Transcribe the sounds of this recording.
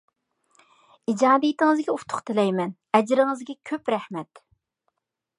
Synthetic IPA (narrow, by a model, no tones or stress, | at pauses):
id͡ʒɑːd̪ijit̪ʰɪŋɨzɡʲɛuft̪ʰʊ̥χt̪ʰɪlɛjmɛn | ɛd͡ʒɾɪŋɨzɡʲɛkʲʰøpɾɛhmɛt̪